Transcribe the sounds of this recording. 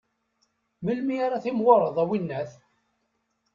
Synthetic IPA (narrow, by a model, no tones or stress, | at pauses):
məlmiaɾaθimwoɾˤəðˤæwinːæθ